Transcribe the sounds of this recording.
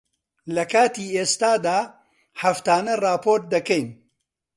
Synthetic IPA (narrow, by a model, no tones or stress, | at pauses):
lɐkaːt̪iːeːst̪aːd̪aː | hɐft̪aːnɐrɑːpoːɾt̪̚d̪ɐkɛjn